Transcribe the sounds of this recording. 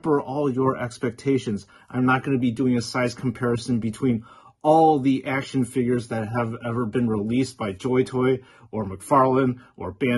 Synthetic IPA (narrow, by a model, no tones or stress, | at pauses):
fə˞ʔɔlˠjə˞ʔɛkspɛk̚tʰeɪʃɨ̃nz | ʔãɪ̃mnət̚ɡ̥ʌnɨbidʉɪ̃ŋɨsaɪz̥kʰm̩pʰɛɹɨsɨ̃n̩bɨtʰw̥ĩn | ɔlˠðiʔækʃɨ̃nfɪɡjə˞zðɨt̚ɦəvɛvə˞bɨ̃nɹilisb̥aɪd͡ʒɔɪtʰɔɪ | ə˞mɨkfɑɹlˠə̃nʔə˞b̥æ̃